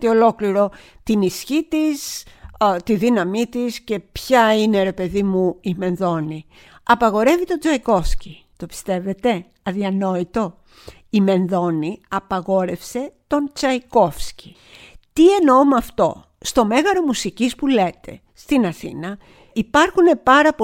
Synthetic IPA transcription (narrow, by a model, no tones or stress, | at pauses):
t̪io̞lo̞kliɾo̞t̪inisçit̪is | t̪iðinɐmit̪isce̞pçɐine̞ɾe̞pe̞ðimuime̞nðo̞ni | ɐpɐɣo̞ɾe̞vit̪o̞d͡zɐiko̞fsci | t̪o̞pi̥st̪e̞ve̞t̪e̞ | ɐðiɐno̞it̪o̞ | ime̞nðo̞niɐpɐɣo̞ɾe̞fse̞t̪o̞nt͡sɐiko̞fsci̥ | t̪ie̞no̞mɐft̪o̞̰ | st̪o̞me̞ɣɐɾo̞musicispule̞t̪e̞̰ | st̪inɐθḭnɐ | ipɐɾxune̞pɐɾɐpo